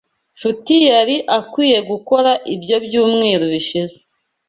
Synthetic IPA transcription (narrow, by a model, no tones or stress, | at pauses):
ʃutijaɾiʔakwiːje̞ɡuko̞ɾaʔibjo̞bjuːmŋeːɾoβiʃize̥